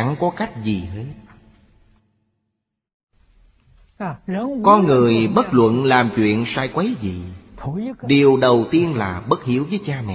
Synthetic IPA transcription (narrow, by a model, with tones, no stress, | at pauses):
a˧˥ŋkɔ˨˦ka˦˥jk̟̚zi˨˩he˨˦˥t̚ | kɔ˧nŋɨ˨˩əjɓə˦˥t̚lwə̰˧˨nlaː˨˩mt͡ɕwḭ˧˨ənsa̰ː˧˩jkwə˨˦jzḭ˧˨ | ɗi˨˩əwɗə˨˩wt̪i˧ənlaː˨˩ɓə˦˥t̚hi˨˦əwvəː˨˦jt͡ɕaː˧mɛ̰˧˨